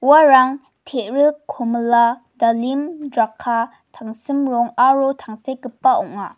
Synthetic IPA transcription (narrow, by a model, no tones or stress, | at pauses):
uaɾaŋ | tʰeʔɾɯkʰːɔmla | dalimdakʰːa | tʰaŋsɯmɾɔŋaɾotʰaŋsekɯpːaɔŋa